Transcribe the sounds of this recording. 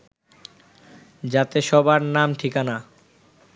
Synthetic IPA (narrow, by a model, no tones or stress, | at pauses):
d͡ʑat̪eʃɔbaɾnamʈʰikana